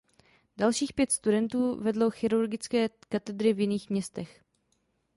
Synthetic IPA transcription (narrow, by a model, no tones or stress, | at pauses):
dalʃiːxpjɛt̪st̪udɛnt̪uːvɛdlowxɪɾuɾɡɪt͡skɛːkat̪ɛd̪ɾɪvjɪniːxmɲɛst̪ɛx